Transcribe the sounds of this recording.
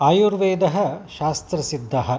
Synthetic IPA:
aːjuɾʋeːd̪ɐɦɐ̆ʃaːst̪ɾɐsid̪ʱːɐɦɐ̆

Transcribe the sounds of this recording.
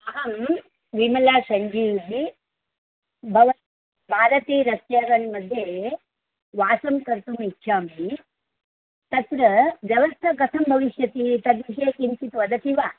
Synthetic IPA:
ɐɦɐm | ʋimɐlaːsɐɲd͡ʒiːb̪i | bʱɐʋɐ | bʱaːɾɐt̪iːɾɐst̪jaːɾɐnmɐd̪ʱje | ʋaːsɐmkɐɾt̪umitːʃʰaːmi | t̪ɐt̪ɾɐʋjɐʋɐst̪ʰɐkɐt̪ʰɐmbʱɐʋiʃjɐt̪it̪ɐd̪ʋiʃeːkiɲt͡ʃit̪ʋɐd̪ɐt̪iʋaː

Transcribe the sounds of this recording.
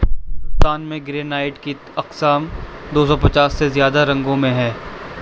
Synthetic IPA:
t̪aːnmẽɡɾeːnaːɪʈki | ɐqsaːmd̪oːsɔpɐt͡ʃaːsːezjaːd̪aɾɐ̃ŋɡõmẽɦɛ̃ː

